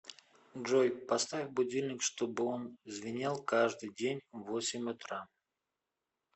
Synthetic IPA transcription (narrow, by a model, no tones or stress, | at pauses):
ʐojpɐst̪avʲɪvbʊdʲilʲnʲɪkʂt̪o̞bɨo̞nzvʲɪnʲalˠkaʐd̪ɨjdʲenʲvosʲɪmʲʊt̪ɾa